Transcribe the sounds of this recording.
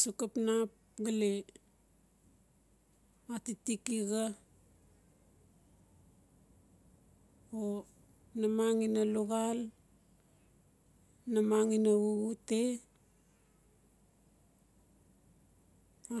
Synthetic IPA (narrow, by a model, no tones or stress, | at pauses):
sukapnap̚ɡale | atitikiɡa | o | namaŋinaluɡal | namaŋinaβuɡute | a